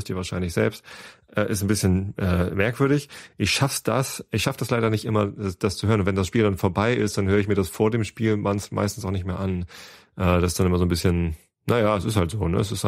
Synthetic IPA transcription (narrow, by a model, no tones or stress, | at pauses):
std̥iɐvaɐʃaɪnlɪçz̥ɛ̰lpstʔɛːʔɪstn̩bɪsçənʔɛːmɛɐkv̥ʏɐɾɪçʔɪçʃafd̥asʔɪçʃafəd̥aslaɪɾɐnɪçtʔɪmɐd̥ast͡suhøːɐnʊntvɛndasʃpiːldanfoːɐbaɪʔɪ̰st̚d̥anɦøːʁəɪçmiːɐɾasfoːɐdeːmʃpiːlma̰ɪnsmʔa̰ɪstn̩saʊxnɪçtmeːɐʔan | ʔɛːd̥asɪ̥sd̥anʔɪmɐzoːnbɪsçən | najaːɛsɪsthaltz̥oːnə̰ɛs̬ɪs